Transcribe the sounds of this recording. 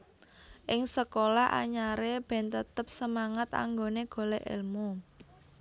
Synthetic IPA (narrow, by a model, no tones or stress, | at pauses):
ʔɪŋsəkolaʔa̰ɲaɾeb̥ɛ̤nt̪ət̪əp̚səmaŋət̪a̰ŋɡoneɡ̥o̤leʔɪ̰lmu